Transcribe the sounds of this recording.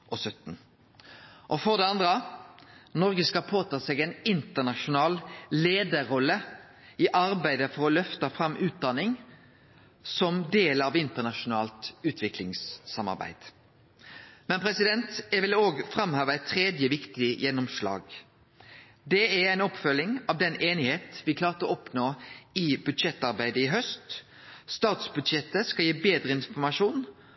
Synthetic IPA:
ʔɔsœt̪n̩ | ʔɔfɔʁd̪ɛɑnd̪ʁə | nɔʁɡəskɑpʰoːt̪ɑːseːɡæɪnɪnt̪ənɑʃʊnɑːlleːd̪əɾɔlːə | ɪʔɑɾbæɪd̪əfɔʁɔlœft̪ɑfɾɑmːʔʉːt̪̚d̪ɑnːɪŋ | sɔmd̪eːlɑʋɪnt̪ənɑʃʊnɑːlt̪ʉːt̪ʰʋɪklɪŋsːɑmɑ̰ɾbæ̰ɪd̪̥ | mɛnpʰɾɛsɪd̪ɛnt̪jɛʋɪloːɡfɾɑmhøːʋəɛɪt̪ʰːɾeːd̪jəʋɪkt̪ɪjɛnːɔmʃlɑ̰ːɡ | d̪ɛææɪnɔpfœlːɪŋɑʋd̪ɛnʔeːnɪheːt̪ʋɪkʰlɑːʁt̪əɔpnoːɪbʉd̪ʃɛt̪ːɑʁbæɪd̪əɪɦœst̪ | st̪ɑːt̪sbʉd̪ʃɛt̪ːəskɑljiːbeːd̪ɾəɪnfɔʁmɑʂuːn

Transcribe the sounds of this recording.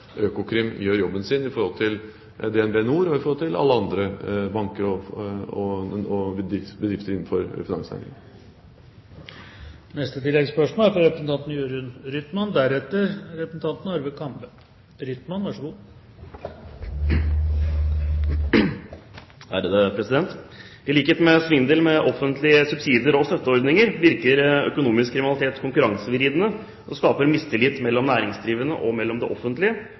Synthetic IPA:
øːkʊkʰɾɪmjøːɾjɔbːənsɪnɪfɔɾhɔlt̪ʰɪl | d̪ɛɛnbeːnuːɾɔɪfɔɾhɔlt̪ʰɪlɑ̰lːəɑnd̪ɾəbɑŋkəɾɔɔɔɪbəd̪ɾɪft̪əɾɪnn̩fɔɾfɪnɑ̰ŋsæ̰nɪ̰ŋ | nɛst̪ət̪ʰɪlːɛɡspœʂmolæfɾɑɾɛpɾəsn̩t̪ɑnt̪njøːɾʉnɾʏt̪mɑnd̪æɾɛt̪ːəɾɾɛpɾəsn̩t̪ɑnt̪n̩ɑɾʋəkʰɑmpə | ɾʏt̪mɑnʋɑʂɡuː | hæ̰ɾəd̪əpʰɾɛsɪd̪ɛnt̪ | d̪ɪliːkəhɛːt̪mɛsʋɪnd̪eːlmɛʔɔfənt̪lɪəsʉbsiːd̪əɾɔst̪œt̪ːəɔɾd̪nɪŋəɾʋɪɾkəɾœ̰kʊnuːmɪskʰːɾɪmɪnlɪt̪eːt̪kʰʊŋkʉɾɑŋsəʋɪɾiːd̪ənə | ʔɔskɑːpəɾmɪst̪ʰɪlɪt̪ːmɛlːɔmnæːɾɪŋsd̪ɾiːʋənə̰ʔɔ̰mɛlːɔmd̪ɛʔɔfːənt̪lɪə

